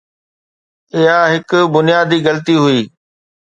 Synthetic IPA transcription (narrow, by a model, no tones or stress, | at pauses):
ɪɦaɦɪkʊbʊnijaːd̪iɣɐlət̪iɦʊiː